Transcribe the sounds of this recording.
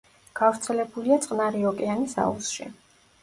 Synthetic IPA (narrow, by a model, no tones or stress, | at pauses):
ɡ̥avɾt̪sʰɛlɛbuliat̪sʼqʼnaɾiɔkʼɛanisa̰usʃḭ